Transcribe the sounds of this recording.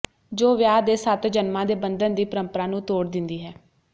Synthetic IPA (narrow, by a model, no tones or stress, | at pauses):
d͡ʒoːʋjaːd̪eːsət̪d͡ʒənmãːd̪eːbənd̪ənd̪iːpəɾəmpəɾaːnũːt̪oːɽd̪ɪnd̪iːɦɛː